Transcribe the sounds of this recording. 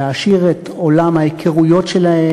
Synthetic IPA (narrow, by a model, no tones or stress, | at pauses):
aʃiʁet̪o̞lamhajekʰeʁujo̞tʃelahe